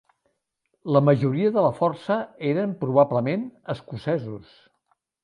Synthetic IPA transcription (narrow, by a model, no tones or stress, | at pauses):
ləməʒuɾiəðələfɔrsəeɾəmpɾuβ̞abləmenəskusɛzus